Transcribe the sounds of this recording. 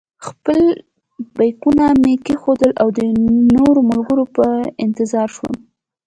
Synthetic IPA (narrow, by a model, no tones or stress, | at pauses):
xpəl | bajkunamekexod̪əlawd̪ənoɾomʊlɡəɾopəɪnt̪ɪzɑɾʃwə̰m